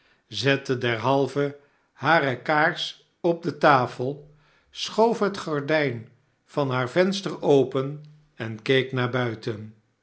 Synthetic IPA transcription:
zɛtədɛɹɦɑlˠvə | haːɾəkaːɹs | ɔb̚dətaːfəlˠ | sχowfɦətχaɹdɛjn | v̥ɑnɦaːɹvɛnstəɹowpən | ɛnkejknaːɹbœɥtən

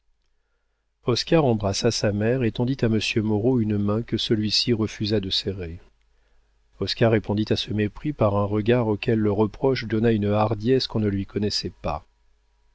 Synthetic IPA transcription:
ɔskaʁɑ̃bʁasasamɛʁet̪ɑ̃d̪it̪aməsjømɔʁoynmɛ̃kəsəlɥisiʁəfyzad̪əsɛʁe | ɔskaʁːepɔ̃d̪it̪asəmepχipaʁɛ̃ʁəɡaʁokʲɛlːəʁəpχɔʃd̪ɔnaynaʁd̪jɛskɔ̃nəlɥikʰɔnɛsɛpa̰

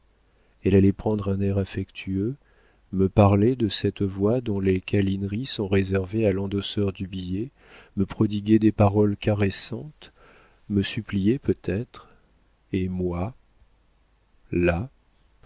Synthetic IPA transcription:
ɛlalɛpχɑ̃d̪ʁɛ̃nɛʁafɛkt̪ʰyø | məpaʁled̪əsɛt̪vwad̪ɔ̃lekalinʁisɔ̃ʁezɛʁvealɑ̃d̪ɔsœʁd̪ybije | məpχɔd̪iɡʲɛd̪epaʁɔlkaʁesɑ̃t̪ | məsyplijɛpøt̪ɛt̪χ | emwa | la

